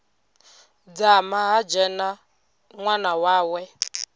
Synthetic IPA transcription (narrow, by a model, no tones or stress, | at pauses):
d͡zamaɦad͡ʒɛna | ŋʷanawawɛ